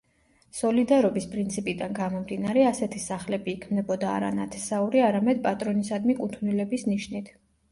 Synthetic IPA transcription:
sɔlid̪aɾɔbispʼɾint̪sʰipʼid̪anɡamɔmd̪inaɾɛasɛt̪ʰisaχlɛbiːkʰmnɛbɔd̪a̰ːɾa̰na̰t̪ʰɛ̥sauɾiaɾamɛd̪̚pʼat̪ʼɾɔnisad̪mikʼut̪ʰvnilɛbisniʃnit̪ʰ

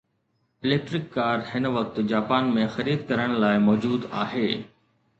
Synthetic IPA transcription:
ɪleːk̚ʈɾɪkːaːɾhɪnʋɐk̚t̪d͡ʑaːpaːnmẽxɐɾiːd̪kɐɾəɽ̃laːɪmɔːd͡ʑuːd̪a̰ːɦeː

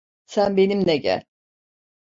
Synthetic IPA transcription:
sænbe̞nimnɛɟæ̰lʲ

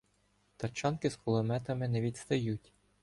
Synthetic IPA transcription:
t̪ɐt͡ʃɑnkɪskʊlˠɔmɛt̪ɐmɪnɛʋʲid̪st̪ɐjutʲ

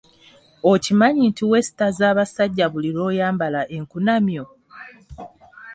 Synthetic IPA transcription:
ocimaɲintʰiwe̞si̥tazaːβasaɟːaβuliɾo̞ːjaːmbalaʔe̞ŋkunamjo̞

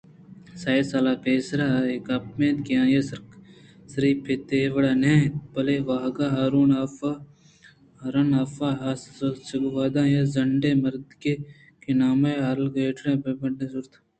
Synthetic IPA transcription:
saːesalaːpeːsɾaekɐp̚mẽːt̪kijãːjesɾsɐɾiːpʰːet̪eʋɐɽaːnẽpɐleʋaːɦɡaɦaːɾuːnaːfa | ɦɐɾɐnaːfaɦasɐɡʋaːd̪ãːjezɐɳɖemɐɾd̪ke | kenaːmeaːɾlɡeːʈʰɾẽpebɐʈẽsʊɾt̪ʰ

